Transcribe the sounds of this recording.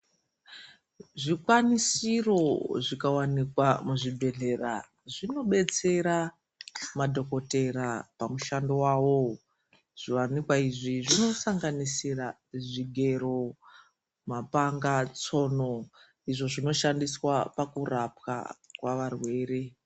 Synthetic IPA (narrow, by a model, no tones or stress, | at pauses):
ʐikwanisiro̞ʐikawanikwamuʐibʱe̞ɮe̞ra̰ | ʐino̞ɓe̞t͡se̞ɾa | madʱo̞ko̞te̞ɾapamuʃandowawo̞ | ʐ̥iwanikwaiʐiʐino̞saŋɡanisira | ʐiɡʱe̞ɾo̞ | mapaŋɡat͡so̞no | iʐo̞ʐino̞ʃandiswapakurapka̰kwaʋarwe̞ːɾe̞